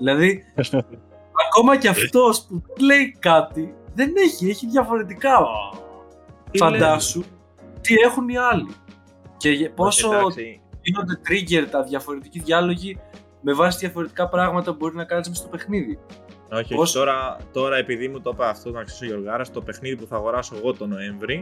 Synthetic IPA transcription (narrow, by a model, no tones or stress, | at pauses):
ðilɐði | ɐko̞mɐceɐft̪o̞spuðenle̞ikɐt̪iðe̞ne̞çie̞çiðʝɐfo̞ɾe̞t̪̬ikɐ | fɐnd̪ɐsu | t̪ie̞xuniɐli | cepo̞soðino̞nd̪e̞t̪ɾiʝe̞ɾt̪ɐðʝɐfo̞ɾe̞t̪iciðʝɐlo̞ʝi | me̞vɐsiðʝɐfo̞ɾe̞t̪i̥kɐpɾɐɣmɐt̪ɐbo̞ɾiznɐkɐnizmest̪o̞pe̞xniði | oçpost̪oɾɐt̪o̞ɾɐe̞piðimut̪opeɐft̪ot̪onɐksi̥soʝo̞ɾɣɐɾɐst̪o̞pe̞xniðipuθɐːɣo̞ɾɐso̞eɣo̞t̪o̞no̞eɱvɾi